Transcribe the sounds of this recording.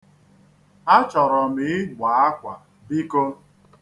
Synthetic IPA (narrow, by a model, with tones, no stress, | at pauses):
a˦t͡ʃɔ˨ɾɔ˨mɪ˨ɪ˦ɦʷa˨a˦kʷa˨ | bi˦ko˦